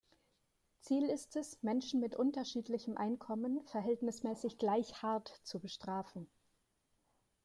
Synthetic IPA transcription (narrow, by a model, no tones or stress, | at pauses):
t͡siːlɪstɛsmɛnʃn̩mɪtʔʊntɐʃiːtlɪçəmʔaɪnkʰɔmənfɛɐɦɛltnɪsmɛːsɪçɡ̥laɪçhaɐtt͡subəʃtʁ̥aːfn̩